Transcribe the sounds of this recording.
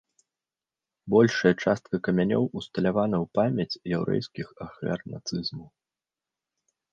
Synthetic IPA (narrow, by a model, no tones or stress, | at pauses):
bɔlʲʂɐjɐt͡ʂast̪̚kɐkɐmʲanʲɔ̰wust̪ɐlʲavanɐwpamʲɐt͡sʲjɛwɾɛ̰jskʲixɐxlʲa̰rna̰t̪sɨzmuw